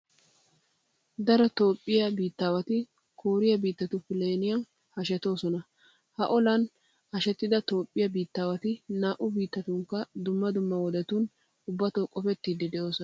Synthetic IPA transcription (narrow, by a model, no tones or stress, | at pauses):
d̪ɐɾɔt̪o̞ːpʼːɪjɐbiːt̪ːaːwɐt̪ɪ | kʰoːɾɪjɐbiːt̪ːɐt̪ʊfɪleːnɪjɐn | hɐʃɛt̪o̞ːsɔnɐ | hɐʔɔlɐn | hɐʃɛt̪ːɪd̪ɐt̪o̞ːpʼːɪjɐbiːt̪ːaːwɐt̪ɪnaːʔʊbiːt̪ːɐt̪ʊŋkːɐd̪ʊmːɐd̪ʊmːɐwɔd̪ɛt̪un | ʊbːɐt̪oːkʼɔfɛt̪ːid̪ːɪd̪ɛʔo̞ːsɔ